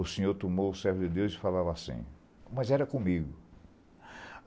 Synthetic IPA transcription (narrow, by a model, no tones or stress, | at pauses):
ʊsẽɲoɾt̪omowʊsɛɾvʊd̪ɪd̪ewzɪfalavasḭ̃ | mɐzɛɾɐkõmiɡʊ